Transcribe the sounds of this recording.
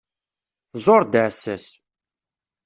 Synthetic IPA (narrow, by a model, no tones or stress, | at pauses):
zˤoɾˤd̪ʕsːæs